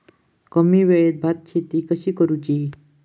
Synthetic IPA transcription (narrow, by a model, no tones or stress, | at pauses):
kəmiːʋeɭet̪̚bʱat̪̚t͡ɕʰet̪iːkəɕiːkəɾut͡ɕi